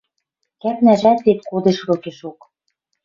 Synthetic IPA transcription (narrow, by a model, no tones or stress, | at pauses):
kæpnæʒæt̪et̪̚kod̪eʃβŏkeʃok